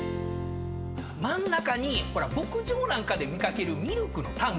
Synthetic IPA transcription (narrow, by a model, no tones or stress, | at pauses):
mãnːakaɲ̟iko̞ɾabo̞kɯ̟ʑo̞ːnãŋkad̪e̞mʲikake̞ɾɯ̟mʲiɾokɯ̟no̞t̪ãŋ